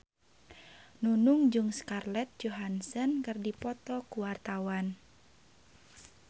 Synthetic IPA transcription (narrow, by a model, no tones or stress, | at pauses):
nunuŋd͡ʒuŋskarlɛt̪̚d͡ʒoɦansənkɨrdipɔt̪ɔkuwart̪awan